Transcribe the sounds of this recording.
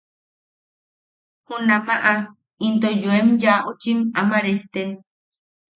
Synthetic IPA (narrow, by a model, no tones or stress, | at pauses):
hũnãmaʔa | int̪ojoemjaʔut͡ʃimamãɾeht̪en